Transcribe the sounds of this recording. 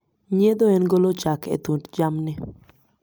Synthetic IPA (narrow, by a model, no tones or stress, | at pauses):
ɲed̪oɛnɡolot͡ʃakɛ̰t̪undd͡ʒamnɛ